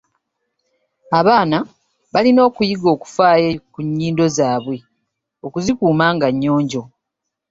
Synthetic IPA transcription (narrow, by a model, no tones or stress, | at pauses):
aβaːna | βalino̞ːkujiɡo̞ːku̥faːjekuɲːiːndo̞zaːβwe̞ | o̞kuzikuːmaːŋɡaɲːo̞ːɲɟo̞